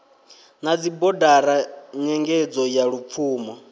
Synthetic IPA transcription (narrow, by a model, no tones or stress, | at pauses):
nad͡zibɔdaɾaɲɛŋɡɛd͡zɔjaɺup̪fʰuːmɔ